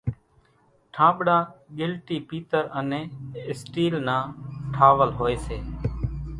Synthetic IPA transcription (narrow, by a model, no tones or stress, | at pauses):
ʈʰãːɓɽãːɠɪlʈiːpiːt̪əɾəneːɪsʈiːlnãːʈʰaːʋəlɦoːeːseː